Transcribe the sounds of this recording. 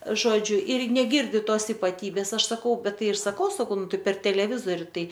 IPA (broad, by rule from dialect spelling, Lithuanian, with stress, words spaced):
ˈʒoːd͡ʒʲʊ ɪr nʲɛˈɡʲɪrʲdʲɪ ˈtoːs ɪpɐˈtʲiːbʲeːs ˈɐʃ sɐˈkɐʊ ˈbʲɛt ˈtɐɪ ɪr sɐˈkɐʊ sɐˈkɐʊ ˈnʊ ˈtɐɪ pʲɛr tʲɛlʲɛˈʋʲɪzoːrʲɪ ˈtɐɪ